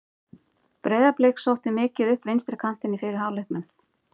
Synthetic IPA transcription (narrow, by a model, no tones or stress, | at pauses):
pɾejðaplejksowht̪ɪmɪːcɪðʏhpɾejnst̪ɾɪkʰan̥t̪ɪnːifɪːɾɪɾ̥ɦaːwlehkmɛn